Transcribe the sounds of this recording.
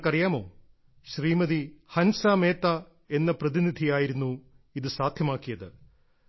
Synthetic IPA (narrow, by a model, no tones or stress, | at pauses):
kɐrijaːmo̞̰ː | ɕriːmɐðihɐnsaːmeːt̪ːa | e̞nːɐprɐðinid̪ʱijaːjiɾunːu | iðɨsaːd̪ʱjɐmaːkːijɐðɨ